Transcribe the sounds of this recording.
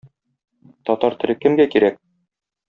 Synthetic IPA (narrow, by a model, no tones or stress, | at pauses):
t̪ɒt̪ɑɾt̪ɘ̆lɘkɘ̆mɡækiɾæk̚